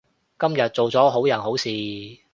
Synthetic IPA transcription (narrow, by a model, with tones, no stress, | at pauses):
kɐ˥mjɐ˨t̚t͡so˨wt͡sɔː˨˥ɦo˨˥wjɐ˨˩nɦo˨˥wsiː˨